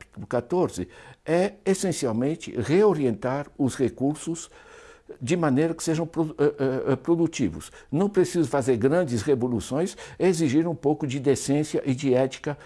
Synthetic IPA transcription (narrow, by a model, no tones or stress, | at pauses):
pi̥t̪ulʊkat̪oɾzɪɛesẽsiawmẽnt͡ʃ̪ɪ̰ʁeoɾiẽnt̪aɾʊsʁekuɾsʊz | d͡ʒɪmɐ̃nejɾɐkɪ̥seʒɐ̃w̃pɾoɛpɾod̪ut͡ʃ̪ivʊ̰snɐ̃w̃pɾesizʊfazeɾɡɾɐ̃nd͡ʒɪsʁevolusõj̃seeziʒiɾũpowkʊd͡ʒɪd̪esẽsjɐʔɪd͡ʒɪɛt͡ʃ̪i̥kɐ